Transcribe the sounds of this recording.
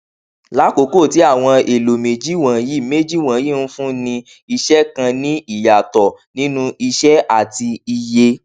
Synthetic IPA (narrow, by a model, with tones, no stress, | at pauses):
la˨˦ko˨˦ko˦˨ti˨˦a˦˨w̃ɔ̃˧e˨lo˨me˨d͡ʒi˦˨w̃ã˨ji˦˨me˦d͡ʒi˦˨w̃ã˨˦ji˦˨n̩˦fũ˦nĩ˧ | i˧ʃɛ˦kã˧nĩ˦i˦˨ja˨tɔ˨nĩ˦nũ˦ʔi˧ʃɛ˦ʔa˦˨ti˧i˧je˧